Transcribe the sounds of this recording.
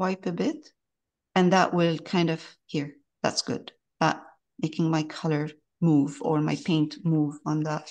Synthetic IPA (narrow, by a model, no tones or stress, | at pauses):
waɪpɨbɪɾ | ɨ̃nðəʔwɪlˠkʰãɪ̃ndʌv̥hiɹ | ðæ̰tsɡ̥ʊ̰d̥ | ðət̚ | meɪkɪ̃ŋmaɪkʰʌlˠə˞ | muvə˞maɪpʰẽɪ̃ntmuvə̃n̩ðət̚